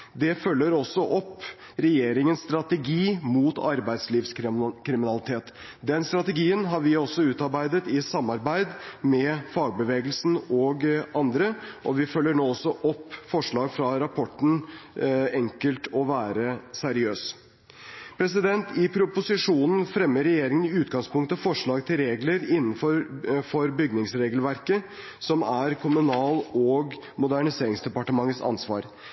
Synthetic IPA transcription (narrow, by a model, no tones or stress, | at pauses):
d̪ɛfœlːəɾɔsːɔʔɔpː | ɾɛjeːɾɪŋənsst̪ɾɑt̪ɛɡiːmuːt̪ɑɾbæɪd̪sliːʋskkʰɾɪmɪnɑlɪt̪ʰeːt̪ | d̪ɛnst̪ɾɑt̪ɛɡiːənɦɑɾʋɪɔsːɔʉːt̪ɑɾbæɪd̪ət̪ɪsɑmːɑɾbæɪd̪mɛfɑːɡ̚bəʋeːɡəlsn̩ɔɡɑnd̪ɾəʔɔʋɪfœlːəɳoːɔsːɔʔɔpːfɔʂɭɑːɡfɾɑɾɑpʰɔʈːn̩ | ɛŋkəlt̪ʰɔʋæːɾəsæɾɪøːs | pʰɾɛs̬ɪd̪ɛnt̪ɪpʰɾʊpʊsɪʂuːnn̩fɾɛmːəɾɛjeːɾɪŋənɪʉːt̪ɡɑŋspʰʊŋk̚t̪əfɔʂɭɑːɡt̪ʰɪlɾeːɡləɾɪnːn̩fɔɾfɔɾbʏɡnɪŋsɾeːɡəlʋæɾkə | sɔmæɾkʰʊmʉnɑːlɔɡ | mʊd̪æɳɪseːɾɪŋsd̪ɛpɑʈəmɑŋːət̪sɑ̰nsʋɑ̰ːɾ